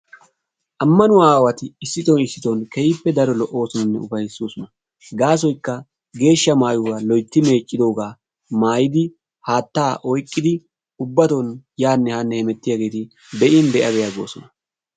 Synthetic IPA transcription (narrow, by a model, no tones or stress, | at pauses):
ʔɐmːɐnʊwaːwɐt̪ɪɪsːɪt̪ʼonɪsːɪt̪ɔnkɛjɪpːɛd̪ɐɾɔlɔʔo̞ːsɔnɐnːɛʊfɐjɪsːoːsɔnɐ | ɡaːs̬ɔjkːɐ | ɡe̞ːʃːɐmaːjʊwalɔjt̪ːɪme̞ːt͡ʃʼːɪd̪o̞ːɡaː | maːjɪd̪ɪ | haːt̪ːaːʔɔjkʼːɪd̪ɪ | ʊbːɐt̪onjaːnːɛhaːnːɛhɛmɛt̪ːɪjaːɡe̞ːt̪ɪ | bɛʔɪnd̪ɛʔɐbɛjaɡo̰ːsɔnɐ